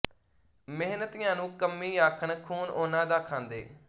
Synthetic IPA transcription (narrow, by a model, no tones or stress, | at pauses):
mɪɦnət̪ɪjãːnũːkəmːiːaːkʰəɳkʰuːnʔoːnãːd̪aːkʰãːnd̪ḛː